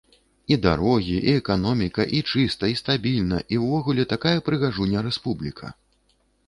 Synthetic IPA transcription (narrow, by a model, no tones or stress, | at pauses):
id̪aɾɔɣʲiʔiɛkanɔmʲikɐʔit͡ʂɨst̪ɐist̪abʲilʲnɐʔiwvɔɣulʲɛt̪akajɐpɾɨɣaʐunʲːɐɾɛspublʲikʰɐ̰